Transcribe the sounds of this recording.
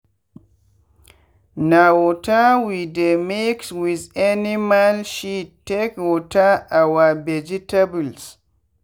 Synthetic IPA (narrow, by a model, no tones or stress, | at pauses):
nawɔtawidemekswizanimalʃitːekwɔtaʔawabɛd͡ʒitabuls